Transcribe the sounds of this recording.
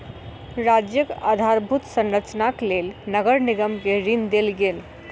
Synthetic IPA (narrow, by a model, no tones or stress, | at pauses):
ɾad͡ʒjəka̰d̪ʱaɾbʱut̪sə̃nɾət͡ʃnaklelnəɡəɾnɪɡəmkeɾind̪elɡel